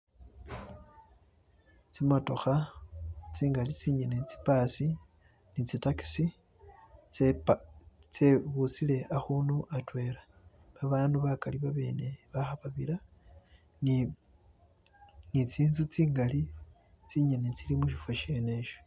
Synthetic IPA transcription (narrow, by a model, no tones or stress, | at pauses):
t͡simato̞xa | t͡siːŋɡalit͡siɲenet͡si̥pasi | nit͡sitaki̥si | t͡seβusile̞ʔaxunuʔatwe̞ɾa | βaβaːnduβakaliβaβe̞̰ːne̞βaxaβaβiɾa | ni | nit͡siːnzut͡siːŋɡali | t͡siɲenet͡silimuʃifaʃe̞ne̞ʃo